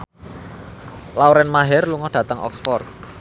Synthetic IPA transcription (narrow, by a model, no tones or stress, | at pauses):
lawɾɛnmaɦɛrluŋɔhd̥ä̤t̪əŋʔɔ̰ksfɔrt̪̚